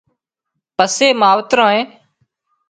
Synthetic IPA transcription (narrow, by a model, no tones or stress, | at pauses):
pəseːmaːʋt̪ɾãːẽː